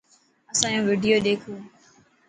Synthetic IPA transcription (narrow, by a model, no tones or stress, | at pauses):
əsãːjõːʋɪɖijoːɗeːkʰoː